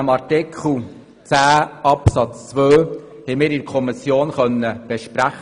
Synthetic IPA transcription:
mɑɾtɪkʰl̩ | t͡sæːɑpsɑt͡st͡sʋøː | hɛmɪːɾɪdkʰɔmisjoːnχœnːəb̥ɛʃpɾæχ

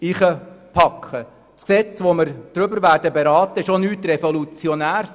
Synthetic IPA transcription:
iχəpʰɑkʰχə | tksɛt͡sʋomɪɾd̥ɾʏbəɾʋæːɾdəbeɾɑːt̪əɪʃonyːtrɛfolut͡sjɔnæːɾs

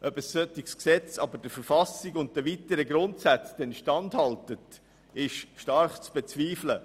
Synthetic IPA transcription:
ʔœbəsːœtiksksɛt͡sɑbəd̥əfəɾfɑsɪɡʊnt̚dəʋiːtəɾəɡɾʊntsæt͡sd̥ɛnʃtɑndhɑltət | ɪʃʃtɑɾχt͡sb̥ɛt͡sviːflə

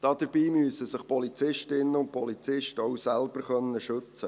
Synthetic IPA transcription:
d̥ɑd̥̪əɾbiːmyəsəsɪχpɔlit͡sɪʃtɪnːəʊnt̚pʰɔlit͡sɪʃtɔwsælb̥əɾχœnːəʃɵt͡sə

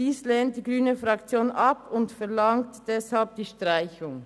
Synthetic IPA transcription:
d̥iːsleːnt̚d̥iːɡʁyːnəfʁɑkt͡sjoːnʔɑpʰʊntfɛɐlɑŋtd̥ɛshalp̚d̥iːʃtʁ̥aɪçʊŋ

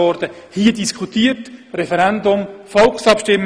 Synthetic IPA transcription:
ɔɾd̥ə | hiːədiskʰχut̪iːətrɛfɛɾænd̪ʊmfɔlksɑpʃtɪmː

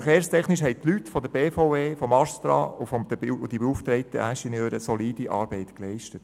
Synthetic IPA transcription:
χeːɾstʰɛχnɪʃɦɛɪt̪lytfɔd̪əɾbeːfoʊeːfɔmɑst̪ɾɑ̰ːʊfɔmd̪əbd̥̪ibeuft̪ɾɛɪt̪ə̰æʃənjøːɾəsɔliːd̥iʔɑ̰ːɾbɛɪt̪klɛɪʃtət

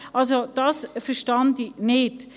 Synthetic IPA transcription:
ʔɑlsod̥ɑsfəʃtɑndinɪt

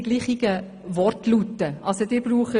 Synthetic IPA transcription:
ɡliːχɪɡ̥ə | ʋɔrtlutːəʔɑlsod̪ɪːɾbɾuːχə

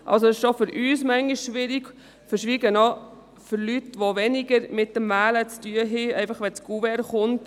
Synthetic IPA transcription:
ʔɑ̰lsosɪʃofʏɾʔyːsmæŋɡiʃʃʋɪɾiɡ | fəɾʃʋiːɡənɔ | fʏɾlytʋoʋɛnɪɡəɾmɪt̚dəmmæːlət͡styəɦɛɛɪfɑχʋɛt͡sɡuvɛɾχʊnt

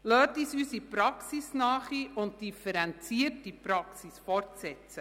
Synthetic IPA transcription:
lœːtisysipɾɑksisnɑːχiʊnt̚d̥ifəɾɛnt͡siətːipɾɑksisfɔrtsɛt͡sə

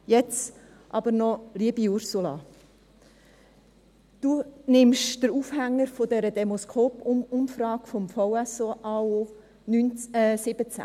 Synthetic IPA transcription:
jɛt͡s | ʔɑb̥əɾnɔliəbiʊɾsulɑ̰ | d̥unɪmʃd̥əɾuːfhæŋːəɾfodɛɾədɛmɔskʰoːpʊʊmfɾɑːkfɔmfɔʊɛsoʔɑoː | nynːsɪb̥ət͡sæ̰

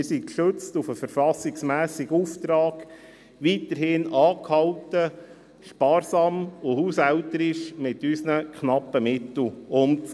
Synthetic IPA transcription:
ɪɾsikʃɵt͡stufəfəɾfɑsɪksmæːsɪɡuft̪ɾɑːɡ̥ | ʋiːtəɾhɪnɑːkhɑltə | ʃpɑːɾsɑːmʊhuːsæltəɾɪʃmɪtysnəkχnɑpːəmɪtl̩ʊnt

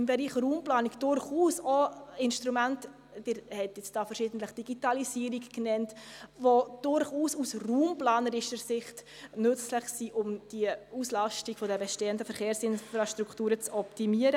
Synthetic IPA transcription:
ɪmbɛɾiːχɾuːmplɑːniɡd̥ʊɾχuːsoɪnʃtɾumant | d̥ɪɾhɛtjɪt͡sd̥ɑːfəɾʃiːdn̩tləχd̥iɡ̥itɑlisiːəɾikknɛntʋod̥ʊɾχuːsusruːmplɑːnəɾɪʃəɾsɪχtnʏt͡sləχsiːʔʊmd̥iəuːslɑʃtiɡfodəbɛʃteːəndəfəɾχeːɾsɪnfɾɑʃtɾuktuːɾət͡sɔptimiəɾə

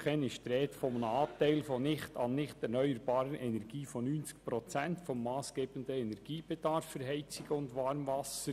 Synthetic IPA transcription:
χɛnɪʃtɾɛːtfɔmnɑːtɛɪlfɔnɪχtʰɑnnɪχtɛɾnœʏəɾbɑːɾəɾʔɛnɛɾɡ̥iːfɔnynt͡sk̚pɾɔt͡sɛntfɔmːɑːsɡ̥eːb̥əndəɛnɛɾɡ̥iːb̥ɛd̥ɑɾfːəɾɦɛɪt͡sɪɡ̥əʊndʋɑːɾmvɑsə

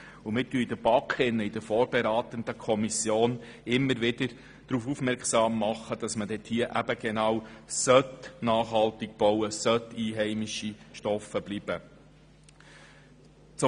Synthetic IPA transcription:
umɪtyid̥̪əb̥ɑkʰɪnːəɪd̥əɾfoːɾb̥ɛɾɑːt̪ənd̥̪əkʰɔmisjoːn | ɪmːəɾʋɪdəɾ | d̥ɾuːfufmɛɾksɑːmːɑχːəd̥ɑsmədɛt̪hiəʔæb̥əɡ̥ɛnɑwsœt̪nɑːχhɑlt̪ɪk̚b̥ɔwəsœtiːɦɛɪmɪʃiʃtɔfəb̥lib̥ə | t͡s

